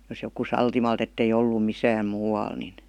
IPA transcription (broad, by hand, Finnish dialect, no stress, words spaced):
jos joku sɑltimɑlt etːei olːu misæːm muːɑl nin